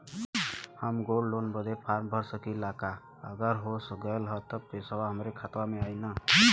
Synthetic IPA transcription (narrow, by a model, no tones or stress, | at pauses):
həmɡollonbəd̪ʱepʰaɾbʱəɾsəkilaka | əɡəɾɦosɡəjlɦət̪əb̚t̪esəbaɦəmɾekʰat̪wameajnə